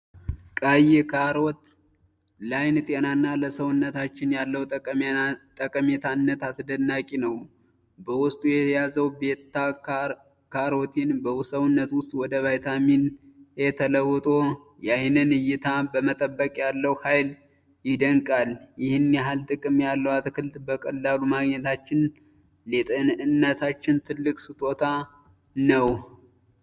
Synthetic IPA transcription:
kʼajɛkaɾɔt̪ | lajnt̪ʼenanːaləsəwʊnːət̪ʰat͡ʃːɪnjalːəw | t̪ʼəkʼəmet̪ʰanːət̪asd̪ənːakʼinəw | bəwʊst̪ʼujɛtʰjazəwbe̞t̪ːa | kʰaɾot̪ʰinbəsəwʊnːət̪wʊst̪ʼwɔd̪əvajt̪ʰaminjɛt̪ʰələwːɔt̪ʼo̞ | jajnɨnɨjːɪt̪ʰabəmət̪ʼəbːəkʼjalːəwhajl | jɪd̪əŋkʼaljɪhɪnjɛɦalt̪ʼɨkʼɨmjalːəwat̪kɨlt̪bəkʼəlːalumaɡɲɛt̪ʰat͡ʃːɪn | let̪ʼənɨnːət̪ʰat͡ʃːɪnt̪ʰɨlːɨkʼsɨt̪ʼo̞t̪ʰa | nəw

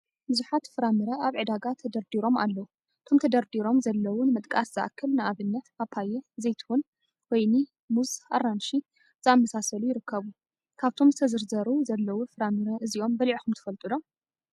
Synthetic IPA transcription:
bɨzuħat̪fɨɾamɨɾɐʔaβʕɨd̪aɡat̪ʰːɐd̪ɐɾd̪iɾo̞ma̰lːɐwu | ɨt̪ʰo̞mt̪ʰɐd̪ɐɾd̪iɾo̞mzɐlːɐwunɨmɨt̪ʼkʼasz̥ɨʔa̰kʰːɐlnɨʔaβɨnːɐt̪apʰːajɛzejt̪ʰɨwun | wojni | muzarːanʃi | z̥ɨamːɐsasɐlujɪɾɨkːɐβu | kʰaβt̪ʰo̞mzɨt̪ʰɐzɨɾzɐɾuzɐlːɐwufɨɾamɨɾɐʔɨziʔo̞mbɐliʕixumt̪ʰɨ̥fɐlt̪ʼɨlo̞m

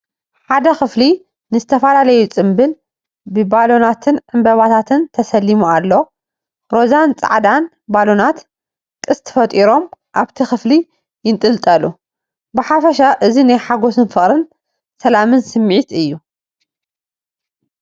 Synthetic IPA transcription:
ħad̪ɐxɨfli | nɨzɨt̪ʰɐfɐlalɐjut͡sʼɨmbɨl | bɨbalo̞nat̪ʰɨnʕɨmbɐβat̪ʰat̪ʰɨnt̪ʰɐsɐlːimualːo̞ | ɾo̞zant͡sʼa̰ʕd̪an | balo̞nat̪ | kʼɨst̪ʰfɐt̪ʼiɾo̞mʔaβt̪ʰixɨfli | jɪnt̪ʼɨlt̪ʼɐlu | bɨħafɐʃaʔɨzinajħaɡo̞sɨnfɨχʼɾɨn | sɐlamɨnsɨmːʕit̪ɨjːu

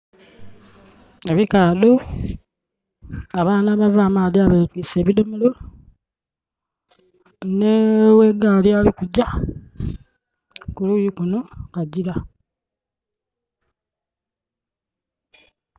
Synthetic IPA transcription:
eβikaːdo | aβaːnaβavaːmaːdiaβetwiseːβidomulo | neweɡalialikuɟa | kulujikuno̞kaɟiɾa

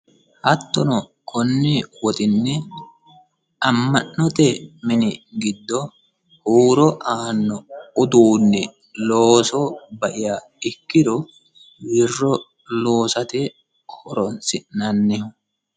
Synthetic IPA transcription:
hɐt̪ːɔnɔ | kʰɔnːɪwɔt̪ʼɪnːɛ | ɐmːɐnːɔt̪ɛmɪnɪɡɪd̪ːɔ | huːɾɔʔaːnːɔʊd̪uːnːɛ | loːsɔbɐʔɪja | ɪkːɪd̪ɔ | wɪrːɔ | lo̞ːsɐt̪ɛ | kɔɾɔnsɪnnɐnːɛhʊ

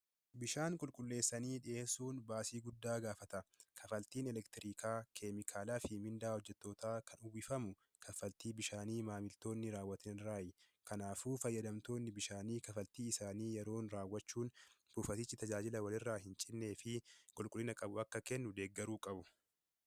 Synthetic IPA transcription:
bɪʃaːŋkʼʊlkʼʊlːe̞ːsːɐniːᶑɪeːsuːnbaːsiːɡʊd̪ːaːɡaːfɐt̪ɐkʰɐfɐlt̪iːnɛlɛkt̪ɪɾiːkʰaːkʰemɪkʰaːlaːfɪmɪnd̪aːhɔd͡ʒːɛt̪ːo̞ːt̪aːkʰɐnʊwɪfɐmʊ | kʰɐfɐlt̪iːbɪʃaːniːmaːmɪlt̪o̞ːnːɪɾaːwːɐt̪ɪnɪɾaːjɪ | kɐnaːfuːfɐjːɐd̪ɐmt̪o̞ːnːɪbɪʃaːniːkɐfɐlt̪iːɪsaːniːjɛɾo̞ːnɾaːwːɐt͡ʃːuːnbuːfɐt̪ɪt͡ʃːɪt̪ɐd͡ʒaːd͡ʒɪlɐwɐlɪrːaːhɪnt͡ʃʼɪnːe̞ːfɪkʼʊlkʼʊlːɪnɐkʼɐbʊɐkːɐkɛnːʊd̪e̞ːɡːɛɾuːkʼɐbʊ

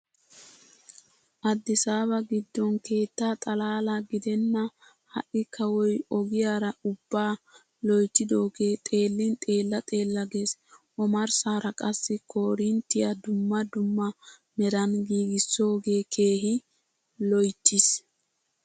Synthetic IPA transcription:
ʔɐd̪ːɪsaːbɐɡɪd̪ːɔnke̞ːt̪ːaːt̪ʼɐlaːlɐɡɪd̪ɛnːɐ | hɐ̰ʔɪkʰɐwɔjɔɡɪjaːɾɐʊbːaː | lɔjt̪ːɪd̪o̞ːɡe̞ːt̪ʼe̞ːlːɪnt̪ʼe̞ːlːɐt̪ʼe̞ːlːɐɡe̞ːsʔɔmɐɾsaːɾɐkʼɐsːɪko̞ːɾɪnt̪ːɪjɐd̪ʊmːɐd̪ʊmːɐ | mɛɾɐnɡiːɡɪsːo̞ːɡe̞ːkʰe̞ːɦɪ | lɔjt̪ːɪs

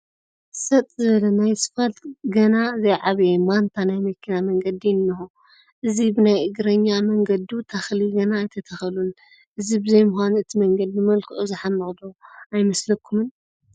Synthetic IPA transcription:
sɐt̪ʼzɨβɐlɐnajsɨ̥fɐlɡɐnazɐjʕaβemant̪ʰanajmɐkʰːinamɐŋɡɐd̪iɨnːɐxu | ʔɨzibɨnajʔɨɡɾɐɲːamɐŋɡɐd̪iut̪ʰaxliɡɐnaːjt̪ʰɐt̪ʰɐxɐlun | ʔɨzibɨzɐjmʊxʷanɨt̪ʰimɐŋɡɐd̪̚bɨmɐlkʰɨʔuzɨħamːɐχʼd̪oajmɐslɐkʰːumɨn

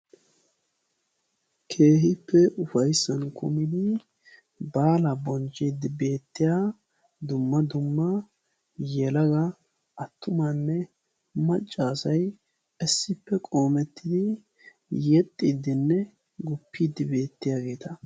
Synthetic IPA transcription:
kʰe̞ːɦɪpːɛʔʊfɐjsːɐnkʰʊ̰mɪd̪ɪ | baːlɐbɔnt͡ʃːiːd̪ːɪbe̞ːt̪ːɪja | d̪ʊmːɐd̪ʊmːɐ | jɛlɐɡɐ | ʔɐt̪ːʊmɐnːɛ | mɐt͡ʃʼːaːsɐj | ɛsːɪpːɛkʼo̞ːmɛt̪ːɪd̪ɪ | jɛt̪ʼːid̪ɪnːɛ | ɡʊpːiːd̪ɪbe̞ːt̪ːɪjaːɡe̞ːt̪ɐ

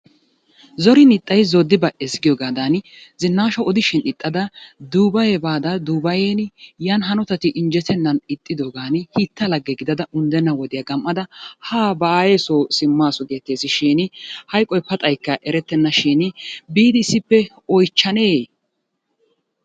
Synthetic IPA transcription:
zɔɾɪnɪt̪ʼːɐjzɔd̪ːɪbɐʔɛsɡɪjɔːɡaːd̪ɐnɪ | zɪnːaːʃɔɔd̪ɪʃɪnɪt̪ʼːɐd̪ɐd̪uːbɐjɛbaːd̪ɐd̪uːbɐjeːnjanɦɐnɔt̪ɐt̪ɪʔɪnd͡ʒɛt̪ʰːɛnːɐnɪt̪ʼːɪd̪oːɡaːnɪhit̪ːɐlɐɡːɛɡɪd̪ɐd̪ɐʔʊnd̪ɛnːɐwɔd̪ɪjɐɡɐmʔːɐd̪ɐhaːbaːjeːsosɪmːaːsɔɡe̞ːt̪ːeːsɪʃiːnɪhɐjkʼːɔjpɐt̪ʼɐjkːɐʔɛɾɛt̪ːɛnːɐʃiːnɪbiːd̪ɪɪsːɪpːɛ | ɔjt͡ʃːɐneː

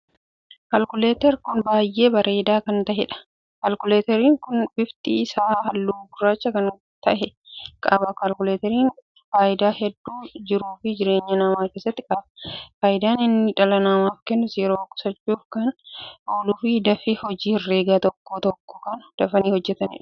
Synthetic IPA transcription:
kɐlkʊleːt̪ɛɾkʊnbaːjʔe̞ːbɐɾʔe̞ːd̪aːkɐnt̪ɐʔɛᶑɐ̥ | kɐlkʊleːt̪ɛɾiːŋkʊnbɪft̪ʼiːɪsaːhɐlːuːbʊrːaːt͡ʃːɐkɐn | t̪ɐʔɛ | kʼaːbɐkɐlkʊleːt̪ɛɾiːn | faːʔɪd̪aːhɛd̪ːuːd͡ʒɪɾuːfɪd͡ʒɪɾe̞ːɲːɐnɐmaːke̞ːsːɐt̪ːɪkʼaːbɐfaːjɪd̪aːnɪnːɪᶑɐlɐnɐmaːfkɛnːʊsjɛɾoːkʼʊ̥sɐt͡ʃːuːfkɐnoːlʊfid̪ɐfɪhɔd͡ʒiːrːe̞ːɡaːt̪ɔkːoːt̪ɔkːɔ̥kɐnd̪̥ɐfɐniːhɔd͡ʒːɛt̪ɐnɪ̰ᶑɐ̥

